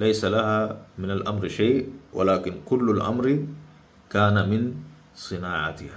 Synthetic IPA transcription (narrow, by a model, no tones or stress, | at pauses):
lajsalahamɪnalʔamɾʃaːwa̰laːkinkulːalʔa̰mɾ | kaːnamɪn | sˤɨnaːʕa̰t̪ɪha